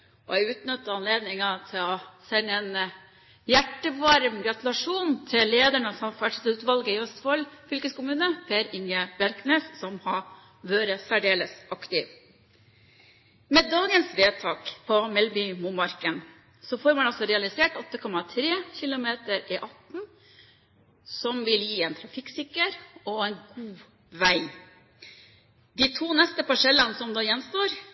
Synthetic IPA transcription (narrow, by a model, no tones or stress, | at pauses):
ɔ̰æɪʉːt̪nœt̪ːəɑnleːd̪nɪŋɑt̪ʰɪlɔsɛnːɛnə | jæʈːəʋɑɾmɡɾɑt̪ʉlɑʂuːnt̪ʰɪlleːd̪æɳəsɔmfæʈt̪ʉːt̪ʋɑlɡəɪœst̪fɔlfʏlkəskʊmʉːnəpʰeːɾɪŋjəbæɾkneːssɔmhɑ | ʋøːɾəsæɖeːləsʔɑkt̪ɪʋ | meːd̪ɑːɡənsʋeːt̪ʰɑːkpʰɔmɛlbʏmuːmɑɾkən | sɔfoːɾmɑnɑlsɔɾɛɑlɪseːʈɔt̪ːəkʰɔmɑt̪ʰɾeːçɪlʊmeːt̪əɾɪʔɑt̪n̩ | sɔmʋɪljiːɛːnt̪ʰɾɑfɪksɪkːəɾɔɛːnɡuː | ʋæɪ | d̪̥iːt̪ʰuːnɛst̪əpɑʂɛlːənəsɔmd̪ɑːjɛnːst̪oːɾ